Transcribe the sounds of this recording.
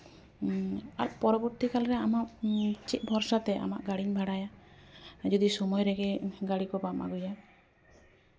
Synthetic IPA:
a̰ɾpɔɾɔbɔɾt̪ikalɾɛamaʔt͡ʃit̪̚bʱɔɾsat̪ɛʔa̰maʔɡaɽiɲbʱaɽaja | d͡ʒɔd̪isɔmɔjɾɛɡɛɡaɽikɔbama̰ɡuja

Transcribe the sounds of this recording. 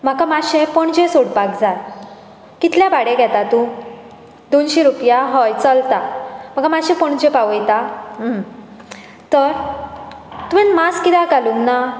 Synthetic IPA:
m̤akamaɕẽpəɳd͡ʑẽsoɽpakd͡za | kit̪ljabaɽɛ̃ɡʱɛt̪at̪ũ | d̪onɕiɾupjaɦɔjt͡səlt̪am̤əɡamaɕẽpəɳ̃d͡ʑẽpaʋəjt̪am | t̪əɾ | t̪uɛ̃nmaskit̪akaluŋɡna

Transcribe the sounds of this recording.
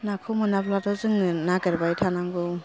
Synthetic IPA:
nakʰɯmɯnablatɔzɯŋnaɡɯɾbajtʰanaŋɡɔw

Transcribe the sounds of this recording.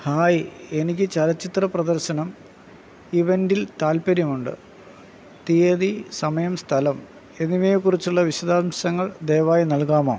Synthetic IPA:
haːje̞nikʲːɨt͡ɕɐlɐt͡ɕːit̪rɐprɐd̪ɐrɕɐnɐm | iʋendilt̪aːlpɐɾjɐmuɳɖɨ̰ | t̪ijɐðisɐmɐjɐmst̪ʰɐlɐm | e̞niʋeːjkːurit͡ɕːuɭːɐʋiɕɐd̪aːmɕɐŋːɐɭd̪e̞ːʋaːjinɐlkaːmoː

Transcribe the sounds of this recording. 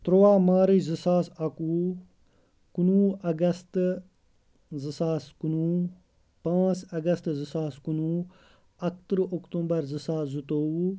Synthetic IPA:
t̪ɾowaːmaːɾizisaːsɐkuː | kunuːɐɡɐst̪ | zəsaːskunuː | pãːt͡sɐɡɐst̪zisaːskunuː | ɐkt̪ɾokt̪ũmbɐɾzəsaːszut̪oː

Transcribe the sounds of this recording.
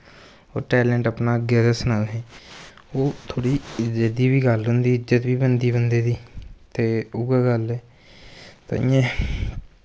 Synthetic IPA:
o̰ːʈɛːlɛɳʈəpnaːɡɛːɾəsnalɦɛːoːt̪ʰoːɽiːd͡ʒed̪iːbiːɡəlɦʊ̃nd̪iːɪd͡ʒət̪ʋiːbənd̪iːbənd̪eːd̪iːt̪eːʊɡaːɡəlɛː | t̪a̰ɪjãː

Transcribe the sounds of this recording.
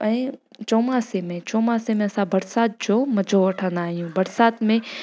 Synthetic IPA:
ɛ̃t͡ʃoːmasemẽt͡ʃoːmãːsemẽɐsãbɐɾsaːt̪̚d͡ʑoːmɐd͡ʑʱoʋɐʈʰə̃nd̪aːɦijũbɐɾsaːt̪mẽ

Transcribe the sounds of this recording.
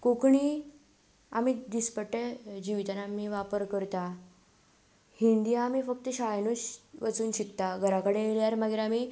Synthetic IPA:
kokɳiː | a̰miːd̪ispəʈːed͡ʑiʋit̪anamiʋapəɾkəɾt̪a | hind̪ijaːmiːfək̚t̪əɕajnuɕʋət͡suːnɕit̪t̪aɡʱəɾakəɽeeljaɾmaɡiɾami

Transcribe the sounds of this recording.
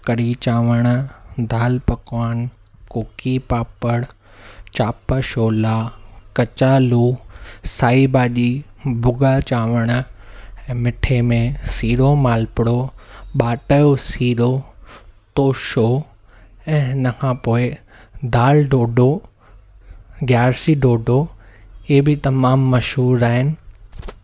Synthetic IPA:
kɐɾit͡ɕaːʋəɽ̃d̪ʱaːlpɐkaːn | koːkipaːpəɽ | t͡ɕaːpəʃoːlaːkɐt͡ɕaːluːsaːibaːɗi | bʊɡat͡ɕaːʋəɽ̃ɛ̃ːmɪʈʰemẽsiːɾomaːlpɪɽoɓaːʈəjosiːɾo | t̪oːʃo | ɛ̃ːɪnəkʰãːpoːɪ | d̪aːlɖoːɖo | ɡjaːɾsiɖoːɖʱoɪɦebɪt̪ɐmaːmːɐʃɦuːɾaːɦɪnɪ̆

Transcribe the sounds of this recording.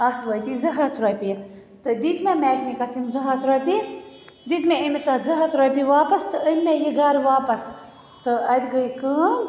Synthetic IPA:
ɐsʋɐjt̪izɐɦat̪ɾɐpʲi | t̪ɨd̪id̪memʲɛːkmikɐsimzɐɦɐt̪ɾɐpʲi | d̪id̪mʲeəmesat̪zɐɦat̪ɾɐpʲiʋaːpɐst̪ɨənʲmʲejiɡaːɾʋaːpɐs | t̪ɨɐt̪ɡəjkɨː

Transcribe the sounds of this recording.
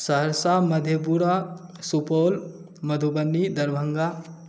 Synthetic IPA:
sɐɦəɾsamɐd̪ʱjəpuɾasupoːl | mɐd̪ʱubənːid̪ɐɾbʱəŋɡa

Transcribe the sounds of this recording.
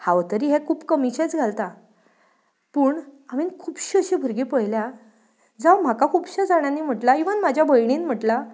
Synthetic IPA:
haʋt̪əɾiːɦɛkʰuːpkəmit͡ɕet͡sɡʱalt̪a | pəːɳaʋinkʰuːpɕiəɕibʱuɾɡipəjlja | d͡zawm̤akakʰuːbɕəd͡zaɽ̃anim̤əʈlaiʋənmad͡ʑʱjabəjɳ̃iːnm̤əʈla

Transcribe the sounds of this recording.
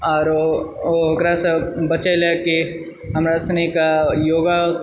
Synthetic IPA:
ɔːɾooɦʊɡɾasebɐt͡ʃeleke | ɦɐmɾasnikajoːɡa

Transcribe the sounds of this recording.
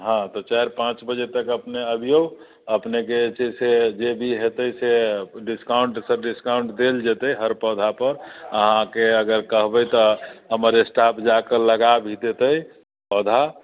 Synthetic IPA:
ɦãt̪ɔt͡ʃaeɾpãt͡ʃbəd͡ʒet̪əkəpneəbʱijo | əpneket͡ʃesed͡ʒebʱiɦet̪əjseɖiskaʊɳʈsəɾɖiskaʊɳʈd̪eld͡ʒet̪əjɦəɾpɔd̪ʱapəɾəɦãkeəɡəɾkəɦbəjt̪ɔɦəməɾesʈapʰd͡ʒakələɡabʱid̪et̪əj | pɔd̪ʱa

